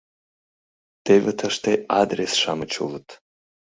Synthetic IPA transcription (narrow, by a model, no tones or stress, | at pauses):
d̥ejvɨtʰɐʂtʰejadresʂamɨt͡ʃʰṵlɨtʰʼ